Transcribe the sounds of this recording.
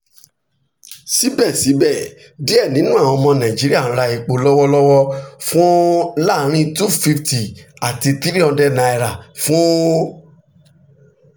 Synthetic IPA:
si˨˦bɛ˦˨si˨˦bɛ˦˨ | di˨˦ɛ˦˨nĩ˨˦nũ˦a˦˨w̃ɔ̃˧mɔ̃˧nã˨d͡ʒi˨˦ɾi˦ã˦˨˦ɾa˧i˧k͡po˧lɔ˦wɔ˦lɔ˦wɔ˦fũ˦la˦˨˦ɾ̃ĩ˦tu˦fi˧fti˨a˨ti˧ti˦ɾi˦ɔ̃˧dɛ˦nã˧i˧ɾa˨fũ˦

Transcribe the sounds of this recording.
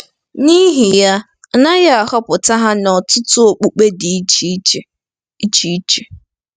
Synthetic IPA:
ni˦ɦi˨ja˦ | na˦ɣa˦a˨kɔ˦pʊ˨ta˦ɦa˦nɔ˨tʊ˦tʊ˦o˨k͡pu˨k͡pe˦di˨˦˨ | i˦t͡ʃi˦i˦t͡ʃe˨

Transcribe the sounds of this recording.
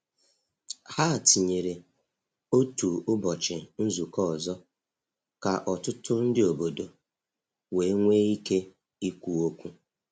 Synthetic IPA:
ha˦a˨ti˨ɲe˨ɾe˨ | o˦tu˨ʊ˦bɔ˨t͡ʃɪ˨n̩˦zu˨kɔ˦˨zɔ˦ | ka˨ʔɔ˨tʊ˦tʊ˦n̩˦dɪ˦o˨bo˨do˨ | we˨˦ŋʷe˦i˦ke˦ | i˦kʷu˨o˦kʷu˦

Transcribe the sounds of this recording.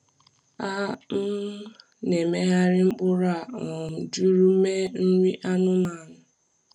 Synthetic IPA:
a˦m̩˦ | ne˨me˦ɦa˦ɾɪ˦ŋ͡m̩˦k͡pʊ˦ɾa˦˨d͡ʒu˦ɾu˦me˦n̩˦ɾi˦ʔa˦nʊ˦ma˦˨nʊ˨

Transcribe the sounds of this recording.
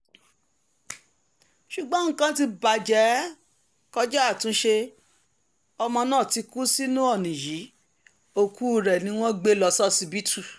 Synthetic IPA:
ʃu˨ɡ͡bɔ̃˨˦ŋ̩˦kã˦ti˧ba˨d͡ʒɛ˨˦ | kɔ˦d͡ʒɔ˦a˦˨tũ˨˦ʃe˧ | ɔ˧mɔ̃˧nãː˦˨ti˧ku˦si˦nũ˦ɔ˦˨nĩ˨ji˨˦ | o˦˨ku˦ɾɛ˨nĩ˨˦w̃ɔ̃˦ɡ͡be˦lɔ˧sɔ˦si˧bi˦tʰu˦˨

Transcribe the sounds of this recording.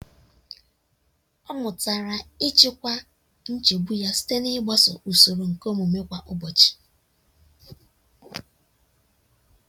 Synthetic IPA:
ɔ˦mʊ˨ta˨ɾa˨ɪ˦t͡ʃɪ˦kʷa˦ | n̩˦t͡ʃe˨bu˦ja˦si̥˦te˦nɪ˦ɡ͡ba˦sɔ˨ʔu˨so˨ɾo˨ŋ̩˨ko˦mu˨me˦kʷa˦ʔʊ˦bɔ˨t͡ʃi̥˨

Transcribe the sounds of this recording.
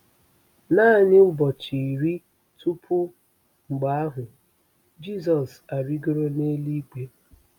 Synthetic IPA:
na˦˨ɲɪ˦bɔ˨t͡ʃi˨ɾi˦ | tu˦pʰʊ˦ | ŋ͡m̩˨ɡ͡ba˨a˦ɦʊ˨ | d͡ʒi˦˨sɔ˨s | a˨ɾi˦ɡo˦ɾo˦ne˦li˦k͡pe˦

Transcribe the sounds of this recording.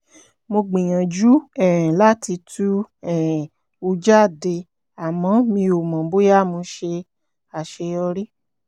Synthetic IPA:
mo˧ɡ͡bĩ˨j̃ã˨d͡ʒu˦ɛ˨ɾ̃ɛ̃˨la˦ti˧tʰu˦ɛ˨ɾɛ̃˨ | o˧d͡ʒa˦˨de˧ | a˨mɔ̃˨˦mĩ˧o˨mã˨bo˦ja˦˨mõ˧˦ʃe˧ | a˨ʃe˧ɔ˧ɾi˦

